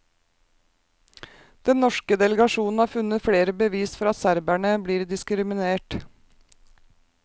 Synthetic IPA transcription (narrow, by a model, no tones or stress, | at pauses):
d̪̥ɛnnɔʃkəd̪ɛləɡɑʃuːnn̩ɑːɾfʉnət̪fɽeːɾəbəʋiːsfɔɾɑt̪sæɾbæɳəbliːɾd̪ɪskɾɪmɪneːʈ